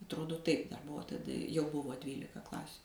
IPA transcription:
ɐtˈroːdoː ˈtɐɪp dɐr ˈbʊʋoː tɐˈdɐ jɛʊ ˈbʊʋoː ˈdʲʋʲiːlʲɪkɐ ˈklˠɑːsʲʊ

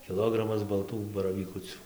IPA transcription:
kʲɪˈlˠoːɡrɐmɐs bɐlˠˈtuː bɐrɐʋʲiːˈkʊt͡sʲuː

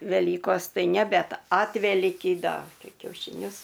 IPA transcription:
ʋʲɛˈlʲiːkoːs ˈtɐɪ nʲɛ ˈbʲɛt ˈɑːtʲʋʲɛlʲiːkʲiː ˈdɐ ˈtɐɪ kʲɛʊʃʲɪˈnʲʊs

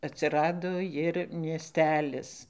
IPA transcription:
ɐtʲsʲɪˈrɑːdoː jɪr mʲiɛˈsʲtʲæːlʲɪs

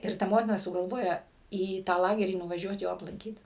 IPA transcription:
ɪr ˈtɐ ˈmoːtʲɪnɐ sʊɡɐlˠˈʋoːjɛ iː ˈtɑː ˈlˠɑːɡʲɛrʲiː nʊʋɐˈʒʲuɔt ˈjoː ɐplˠɐŋʲˈkʲiːt

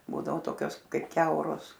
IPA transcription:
ˈbuːdɐʋoː ˈtoːkʲoːs ˈkɐɪp ˈkʲɛʊroːs

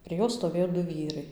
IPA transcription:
pʲrʲiɛ ˈjoːs stoːˈʋʲeːjoː ˈdʊ ˈʋʲiːrɐɪ

